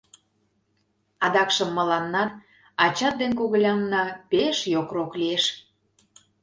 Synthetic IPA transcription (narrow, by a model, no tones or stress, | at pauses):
ɑd̪ɑkʃə̆mːə̆lɑnːɑn | ɑt͡ɕɑt̪̚d̪enkoɣə̆lʲɑmnɑpeʃjokroklieʃ